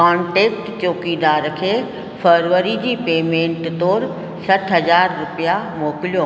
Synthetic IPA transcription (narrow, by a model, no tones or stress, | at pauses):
kãːɳʈeːkʈt͡ɕoːkid̪aːɾkʰeː | fʰəɾʋəɾid͡ʑiːpeːmẽːɳʈt̪oːɾ | sɐʈʰɦɐzaːɾːʊpijamoːkɪlijoː